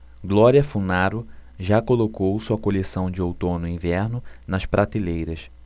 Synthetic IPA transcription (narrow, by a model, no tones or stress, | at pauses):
ɡlɔɾiɐfunaɾʊʒakolokowsuɐkolesɐ̃w̃d͡ʒɪowt̪õnʊĩvɛɾnʊnɐʃpɾʔat̪ilejɾɐs